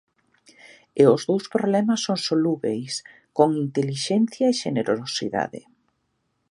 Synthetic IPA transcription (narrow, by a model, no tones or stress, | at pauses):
eʊzðowspɾoβlɛmasːoŋsoluβḛjs | koŋint̪eliʃɛnθjɐeʃeneɾoɾosḭða̰ðḛ